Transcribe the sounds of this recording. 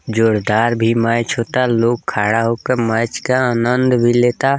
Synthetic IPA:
d͡ʒoːɽd̪aːɾbʱimaːt͡ʃʰɦoːt̪aloːɡ̚kʰaːɽaɦoːkəmãːt͡ʃkaaːnə̃nd̪bʱileːt̪a

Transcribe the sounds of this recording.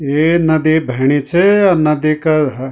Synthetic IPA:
enɐd̪ibʱɐɽ̃it͡ʃʰeɔɾnɐd̪ikɐɦɐ

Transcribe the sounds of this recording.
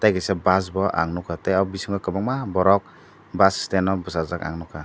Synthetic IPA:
tajɡasɛbas̬bɔʔa̰ŋnɔkʰatajabisiŋɡakɯbaŋmabɔɾɔk̚ | basstenɔbɔsazaka̰ŋnɔkʰa

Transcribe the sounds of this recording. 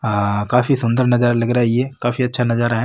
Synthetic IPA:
kaːfisʊ̃nd̪əɾnɐzaːɾalɐɡɾaɦijɛːkaːfiɐtːʃʰanɐzaːɾaɦɛː

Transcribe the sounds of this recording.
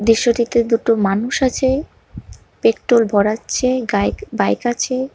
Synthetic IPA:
d̪ɾiʃːoʈit̪ed̪uʈomanuʃat͡ɕʰe | pekʈɾolbʱɔɽatːɕʰeabajkat͡ɕʰe

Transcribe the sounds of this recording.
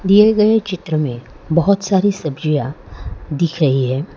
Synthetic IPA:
d̪ieɡɐet͡ʃɪt̪ɾəmẽ | bɐɦʊt̪saːɾisɐbd͡ʒʊjad̪ɪkʰɾɐɦiɦɛː

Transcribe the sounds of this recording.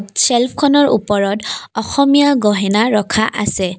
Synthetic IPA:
tsɛlpʰkʰɔnɔɹṵpɔɹɔtɔxɔmijaɡɔɦɛnaɹɔkʰaʔasɛ

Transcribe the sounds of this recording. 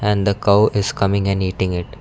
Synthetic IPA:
ɛ̃nd̪əkaʊʔɪz̥kʌmɪ̃ŋɛ̃niːʈɪ̃ŋɪʈ

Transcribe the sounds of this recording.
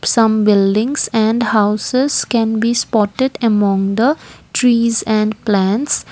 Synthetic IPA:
sʌ̃mbɪlɖɪ̃ŋzæ̃ɳɖhaʊsɪz̥kɛ̃nbiːspɔːʈɪɖəmɔ̃ŋd̪əʈʰɾiːzɛ̃ɳɖplæ̃nʈs

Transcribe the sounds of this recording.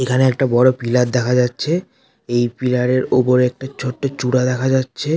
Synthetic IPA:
ekʰaneɛk̚ʈabɔɽopilat̚d̪ɛkʰad͡ʑatːɕʰe | ejpilaɽeɾopoɾɛk̚ʈat͡ɕʰoʈːot͡ɕuɽad̪ɛkʰad͡ʑatːɕʰe

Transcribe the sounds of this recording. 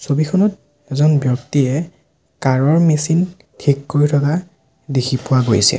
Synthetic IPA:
sobikʰɔnɔt̚ | ɛzɔnbjɔktiɛ | kaɹɔɹmesin | tʰikːoɹitʰɔka | dekʰipʊwaɡojsɛ̰

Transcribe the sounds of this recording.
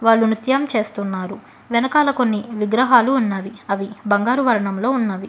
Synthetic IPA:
ʋaːɭːunut̪jɐmt͡ʃe̞ːst̪unːaːɾu | ʋɛnɐkaːlɐko̞nːiʋiɡɾɐɦaːluːnːaːʋiɐʋibɐŋɡaːɾuʋɐɾɐɳɐmlo̞ːunːaːʋi

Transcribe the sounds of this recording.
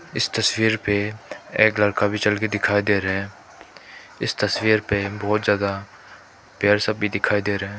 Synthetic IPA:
ɪst̪ɐswiːɾpeeːklɐɽkabʱit͡ʃɐlked̪ɪkʰaːid̪eːɾɦɛ̃ː | ɪst̪ɐswiːɾpebɔːt̪zjaːd̪a | pjaɾsɐbbid̪ɪkʰaːid̪eːɾəɦɛ̃ː

